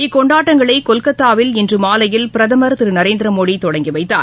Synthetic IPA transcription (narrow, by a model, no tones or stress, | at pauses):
ɪkːɔɳɖaːʈːɐŋɡɐɭɐɪkɔlkɐt̪ːaːʋɪlɛndrɯmaːlɐjɪlpɪɾɐðɐmɐɾt̪ɯɾɯnɐɾeːnd̪ɪɾɐmoːɽit̪ɔɽɐŋɡiʋɐɪt̪ːa̰ːɾ